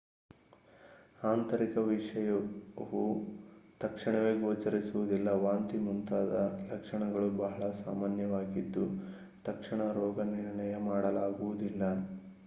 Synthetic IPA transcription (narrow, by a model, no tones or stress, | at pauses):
aːnt̪ɐɾikɐʋiʂɐjɐʋu | t̪ɐkʂɐɳɐʋeɡoːt͡ʃɐɾisuʋud̪ilːɐʋaːnt̪imunt̪aːd̪ɐlɐkʂɐɳɐɡɐɭubɐɦɐɭɐsa̰ːmaːnjɐʋaːɡid̪ːu | t̪ɐkʂɐɳɐɾɔːɡɐniɾɳɐjɐmaːɽɐlaːɡuʋud̪ilːɐ